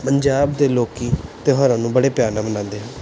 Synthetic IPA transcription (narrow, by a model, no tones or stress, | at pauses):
pəɲd͡ʒaːbd̪eːloːkiːt̪eːɦɔːɾãːnũːbəɽeːpjaːnãːmənãːnd̪eːɦə̃ː